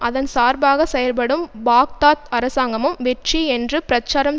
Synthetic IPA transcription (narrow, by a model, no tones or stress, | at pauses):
ʔɐðɐnsaːɾbaːɣɐsɛjɐlpɐɽɯmbaːk̚t̪aːt̪ɐɾɐsaːŋɡɐmɯmʋɛʈriɛndrɯpɪɾɐt͡ʃːaːɾɐm